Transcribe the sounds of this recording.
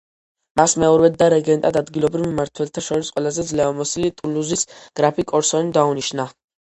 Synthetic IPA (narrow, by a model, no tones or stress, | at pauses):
masmɛɔɾvɛd̪ːaɾɛɡɛnt̪ʼad̪ad̪ɡilˠɔbɾivmmaɾt̪ʰwɛlt̪ʰaʃɔɾisqʼwɛlazɛd̪zlɛamɔsilit̪ʼuluzisɡ̥ɾapʰikʼɔɾsɔnid̪auniʃna